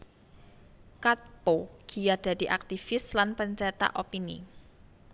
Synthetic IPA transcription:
kat̪̚poɡ̥ijad̥a̤diʔak̚t̪ifɪslanpəɲt͡ʃɛt̪a̰ʔopinḭ

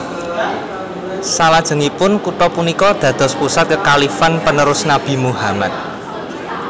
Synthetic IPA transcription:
salad̥ʒ̥ə̤ŋipʊnkut̪ɔpunikɔd̪̥ä̤d̪̥ɔ̤spusat̪̚kəkalifanpənəɾʊsnab̥i̤muɦamat̪̚

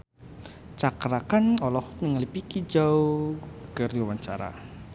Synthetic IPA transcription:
t͡ʃakɾakanɔlɔhnəŋəlipikid͡ʒawkərdiwant͡ʃa̰ɾa̰

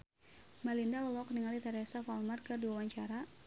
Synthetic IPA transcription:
malindaɔlɔkniŋalit̪aɾɛsafalmarkɨrduawaɲt͡ʃaɾa

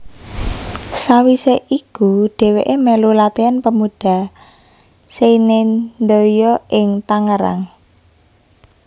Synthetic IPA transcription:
sawiseʔikuɖ̥e̤weʔemelulat̪eanpəmuɖ̥a̤ | seinend̪ojɔʔɪŋt̪aŋəɾa̰ŋ

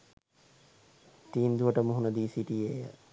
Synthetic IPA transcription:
ʈiːmd̪uɐʈɐmuɦunɐd̪iːsiʈie

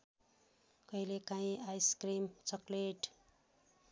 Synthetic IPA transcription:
kʌilekaĩajskrimt͡sʌkleʈ

